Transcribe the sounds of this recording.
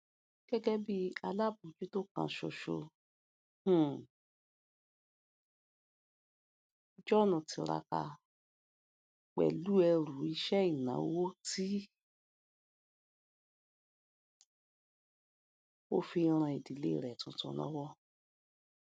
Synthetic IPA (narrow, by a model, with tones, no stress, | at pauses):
ɡ̥ɛ˦ɡɛ˦bi˦a˧la˦˨bũ˨d͡ʒu˦to˦˨kã̰˧˦ʃo˧ʃo˧ | h̩˦˨˧ | d͡ʒɔ˦˨nũ˨ti˨˧ɾa̰˧ka̰˧ | k͡pɛ̰˨lu˦ɛ˧ɾu˨˦i˧ʃɛ˦i˦˨nã̰˨˦wo˦ti˦ | o˦fi˧ɾ̃ã˧i˨di˨le˦i˦˨ɾɛ˨tũ˧˦tũ˧˦lɔ̰˦wɔ˦